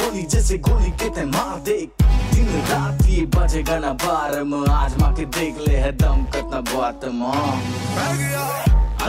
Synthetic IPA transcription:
oːlid͡ʒɛːseɡoːlikɪt̪ẽmãːd̪eːk̚t̪ɪnẽɾaːt̪iebɐt͡ʃeɡanabaːɾəməaːd͡ʒmãːkʰed̪eːkʰleɦɛ̃d̪ɐmkɐt̪nabaːt̪mãː

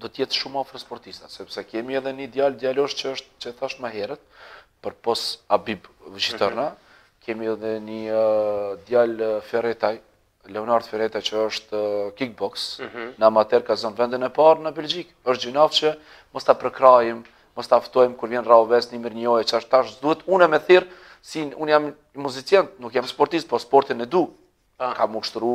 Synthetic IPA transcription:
d̪ɔt̪əjɛt̪ʃumafɾəspɔɾt̪ist̪asɛpsɛkɛmiɛðɛnəd̪jald̪jalɔʒt͡ʃəəʃt̪̚t͡ʃɛt̪aʃt̪məɦɛɾɛt̪̚pəɾpɔsabibvət͡ʃit̪ɔɾna | kʰɛmiɛðɛni | d̪jalfɛɾɛt̪aj | lɛɔnaɾd̪fɛɾɛt̪ajt͡ʃəəʃt̪kik̚bɔksnamat̪ɛɾkazɔnvɛnd̪inɛpaɾnəbɛld͡ʒikəʃt̪̚d͡ʒinaft͡ʃə | mɔst̪apɾəkɾajimː | ɔst̪aft̪ɔjmkuɾvjɛnraɔvɛsnimiɾɲəɔjɛt͡ʃəʃt̪t̪aʃd̪uhɛt̪unɛmɛθiɾ | siunjam | muzit͡sjɛnt̪nukjamspɔɾt̪ist̪pɔspɔɾt̪inɛd̪u | kamuʃt̪ɾu

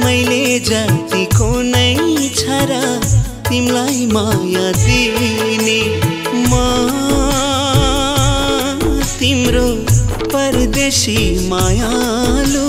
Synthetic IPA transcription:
məjled͡ʒat̪ikonəjt͡ʃʰɐɾa | t̪imlajmajãd̪ine | ma | t̪imɾo | pɐɾd̪esimajã | lu

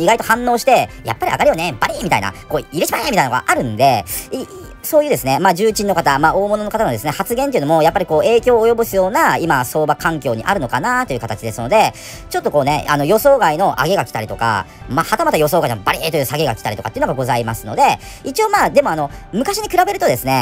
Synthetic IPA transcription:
iɡait̪o̞hãnːo̞ːɕi̥t̪e̞ja̰pːaɾʲia̰ɡaɾionebaɾʲimʲit̪a̰ḭna̰ko̞ːiɾet͡ɕibaɾʲimʲit̪ajinnoɡa̰ʔaɾɯ̟̃nd̪e̞i | so̞ːjɯ̟ːd̪esɨne̞maːd͡ʑɨːt͡ɕĩnːo̞kat̪amao̞ːmo̞no̞no̞kat̪anod̪e̞sɨne̞hat͡sɨɡent̪eiɯ̟omo̞japːaɾʲiko̞ːe̞ːkʲo̞ːjo̞bosɨjo̞ːnaimaso̞ːbakãŋkʲo̞ːɲ̟iʔa̰ɾɯ̟no̞kanat̪ːo̞jɯ̟kat̪at͡ɕid̪e̞sɨno̞d̪e̞ | t͡ɕo̞t̪ːo̞ko̞ːne̞̰ano̞jo̞so̞ːɡaino̞ʔa̰ɡe̞ɡakʲi̥t̪aɾʲit̪o̞ka̰mahat̪amat̪ːajo̞so̞ːɡainobaɾʲit̪ojɯːsaɡe̞ɡakʲi̥t̪aɾit̪okat̪eiɯno̞ɡaɡo̞zaimasɨ̥no̞̰d̪e̞ | it͡ɕio̞ːmaːd̪e̞mo̞ano̞mɯ̟kaɕiɲ̟ikɯ̟ɾabe̞ɾɯ̟t̪o̞d̪e̞sɨne̞

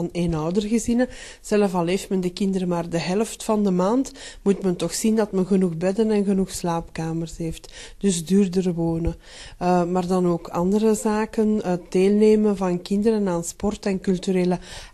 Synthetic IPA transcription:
ɑneːnɔwdərɣəzinə | z̥ɛləvɑlˠɦeːftməndəkɪndəɾəmaːrdəɦɛləftfɑndəmaːntmutmɛntɔxsindɑtmənɣənuɣbɛdənɛnɣənuxslaːpkaːmərsɦeːftd̥ʏzdyːrdərəwoːnə | maːrdɑnoːkʰɑ̰ndəɾəzaːkənət̚d̥eːlˠneːmənvɑnkɪndəɾənaːnspɔrtɛnkylˠtyɾeːlə

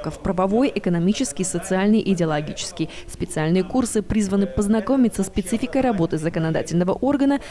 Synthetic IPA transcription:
kəfpɾəvɐvo̞jɪkənɐmʲit͡ɕɪskʲɪjsət̪sɨalʲnɨjʔɪdʲɪɐlˠɐɡʲit͡ɕɪ̥skʲɪjspʲɪt̪sɨalʲnɨjəkursɨpɾʲizvənɨpəznɐko̞mʲɪt̪ʲsəspʲɪt̪sɨfʲɪkəjɾɐbo̞t̪ɨzəkənɐd̪a̰tʲɪlʲnəvəʔo̞rɡənə

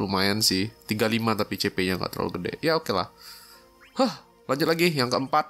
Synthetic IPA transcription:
umajɛnsɪht̪iɡalimat̪apit͡ʃepeɲaŋɡa̰t̪əɾo̰lɡədɛ̰jaokela̰h | həh | laɲd͡ʒʊt̪̚laɡijaŋkəəmpat̚

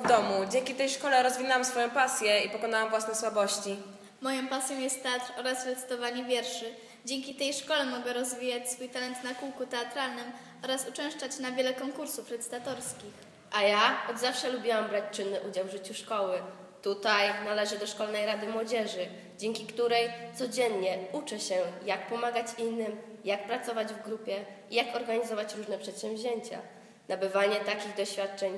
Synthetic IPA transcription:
vd̪ɔmud͡ʑɛŋkʲit̪ɛjʂkɔlɛɾɔzvʲinawamsfɔjɔ̃w̃pasʲjɛipɔkɔnawamvwasnɛswabɔɕt͡ɕi | mɔjɔ̃pasʲjɔ̃w̃jɛst̪ːɛat̪ɾɔɾasɾɛt̪sɘ̥t̪ɔvaɲivʲjɛɾʂɘ | d͡ʑɛŋkʲit̪ɛjʂkɔlɛmɔɡɛɾɔzvʲijat͡ɕsfujt̪alɛnt̪nakuwkut̪ɛat̪ɾalnɘm | ɔɾasut͡ʂɛ̃w̃ʂt͡ʂat͡ɕnavʲjɛlɛkɔŋkuɾsufɾɛt̪sɨ̥t̪at̪ɔɾskʲix | ʔajaɔd̪zafʂɛlubʲiwambɾat͡ɕt͡ʂɘnːɘʔud͡ʑawvʐɘt͡ɕuʂkɔwɘ | t̪ut̪ajnalɛʐɘd̪ɔʂkɔlnɛjɾad̪ɘmwɔd͡ʑɛʐɘ | d͡ʑɛŋkʲikt̪uɾɛjt̪sɔd͡ʑɛnɲɛut͡ʂɛɕɛjak̚pɔmaɡat͡ɕinːɘmjak̚pɾat̪sɔvad͡ʑvɡɾupʲjɛ | ijakɔɾɡaɲizɔvat͡ɕɾuʐnɛpʂɛt̪ɕɛ̃mvʲʑeɲt͡ɕa̰ | nabɘvaɲɛt̪akʲiɣd̪ɔɕfʲjat̪̚t͡ʂɛɲ

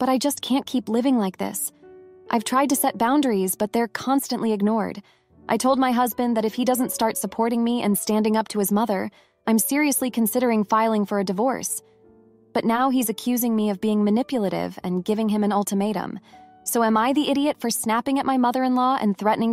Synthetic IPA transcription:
b̥ʌɾaɪd͡ʒʌskʰæ̃nkʰiplɪvɪ̃ŋlaɪk̚ðɪ̰sʔaɪv̥tʰɹ̥aɪd̚tɨsɛt̚b̥ãʊ̃ndə˞izb̥ʌt̪̚ðə˞kʰɑ̃nstɨ̃nʔliɨɡ̚nɔɹd | ʔaɪtʰoʊlˠd̚maɪɦʌzbɨ̃nðɨɾɨfhidʌzntstɑɹtsəpʰɔɹɾɪ̃ŋmiɨ̰̃nstæ̃ndɪ̃ŋʌp̚tʰɨɨzmʌðə˞ | ʔãɪ̃msɪɹiɨslikʰɨ̃nsɪɾə˞ɪ̃ŋfaɪlˠɪ̃ŋfə˞ɨdɨvɔ̰ɹs | b̥ʌtⁿnaʊizɨkʰj̥ʉzɪ̃ŋmiʌvbiɪ̃ŋmɨnɪpjl̩ˠəɾɪ̰vɨ̃nɡɪvɪ̃ŋɨ̃mɨ̃nʌlˠtʰəmeɪɾə̰̃m | soʊə̃maɪðiʔɪɾiɨtfə˞snæpɪ̃ŋɨt̚maɪmʌðə˞ɨ̃nlɔʔɨ̰̃nθɹɛʔnɪ̃ŋ

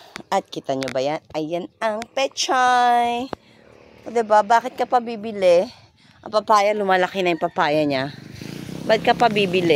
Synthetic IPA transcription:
ʔɐt̪̚kɪt̪ɐɲobɐjanʔɐjːanɐŋpɛt͡ʃaj | od̪ɪbabaːkɪt̪̚kɐpɐbiːbɪlɛ | ʔɐ̰pɐpaːjɐlʊmaːlɐkɪnɐɛŋpɐpaːjɐɲa | bɐɡ̚kɐpɐbiːbɪlɛ

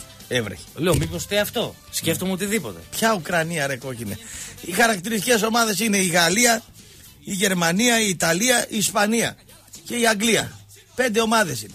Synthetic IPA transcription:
evɾḛçe̥leomipost̪eɐft̪o̞ | sce̞ft̪omeot̪iðipo̞t̪e̞̰pçɐukɾɐniɐɾeko̞cinḛixɐɾɐkt̪iɾist̪iceso̞mɐðe̞sine̞iɣɐliɐ | iʝe̞ɾmɐniɐiːt̪ɐliɐʔiːspɐniɐ̰ | ce̞iɐŋɡliɐ̰ | pe̞nd̪e̞o̞mɐðe̞sine

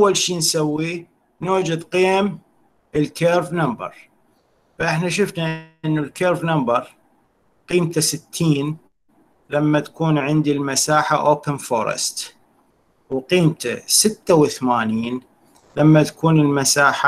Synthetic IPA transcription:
wːalʃiːnsawːi | nuːd͡ʒad̪qiːm | ʔəlkeːɾvnambɑ̰ɾˤ | faʔɪħnaʃɪfnaʔɪnːulkeːɾvnambɑɾˤ | qiːmt̪asɪt̪ʰːiːn | lamːat̪ḁkuːnʕɪnd̪ilmasaːħaʔoːpənfo̰ːɾˤɪ̰st̪ | wqiːmt̪a̰sɪt̪ːawɪθmaːniːn | lamːat̪ḁkuːnɪlmasaːħa

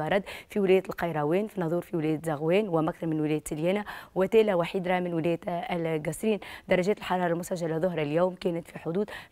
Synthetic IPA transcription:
ɑɾˤɑd̪fiwɪlɛːjæt̪lqɑjɾˤɑwɛːnfinːɑðˤuːɾfiwɪlɛːjæt̪zɑɣwɛːnwæmʔæk̚θɑɾmɪnwɪlɛːjt̪sɪljæːnawɪt̪æːlawaħiːd̪ɾˤɑmɪnwɪlɛːj̪lɡɑsɾiːnd̪ɑɾˤːɑʒɛːt̪ɪlħɑɾˤɑːɾˤɑlmʊsæʒːalaðˤʊɦɾˤɑljæːmkɛːnət̪fiħʊd̪uːd̪

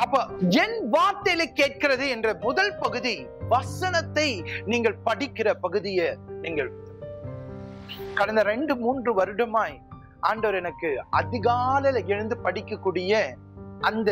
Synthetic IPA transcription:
ɐpːoːɛnʋaːɾt̪ɐjlɐɪkːeːʈ̚kɪɾɐðɯɛndrɐmʊðɐlpɐɣɯði | ʋɐsɐnɐt̪ːɐɪniːŋɡɐɭpɐɽɪkːɪrɐpɐɣɯðɪjɐniːŋɡɐɭ | kɐɽɐnd̪ɐɾɛɳɖɯmuːndrɯʋɐɾɯɽɐmaːj | ʔaːɳɖɐʋɐɾɛnɐkːɯɐðɪɣaːlɐlɛɻɯnd̪ɯpɐɽɪkːɐkːuːɽɪjɐ | ʔɐnd̪ɐ

